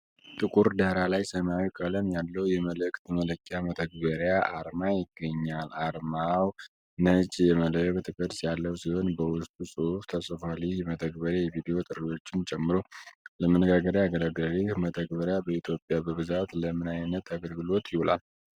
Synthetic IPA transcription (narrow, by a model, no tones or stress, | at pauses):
t̪ʼɨkʼuɾd̪əhɾalajsəmawikʼələmjalːəwjɛmələkʼt̪ʰmələkʼːjamət̪ʰəɡ̚bəɾjaʔaɾmajɪɡːəɲːalaɾmaw | nət͡ʃʼjɛmələjkt̪ʰɨkʼəɾsjalːəwsiho̞nbəwʊst̪ʼusʼɨhuft̪ʰəsʼfalihmət̪ʰəɡbəɾjajɛvid̪ijo̞t̪ʼɨɾewo̞t͡ʃːɪnt͡ʃʼɛmːɨɾo̞ləmənːəɡaɡəɾjaɡələɡəɾihmət̪ʰəɡbəɾjabəit̪ʰjo̞pʼjabəβɨzat̪ləmɨnajnət̪ʰaɡəlɡɨlo̞t̪jɪhula̰l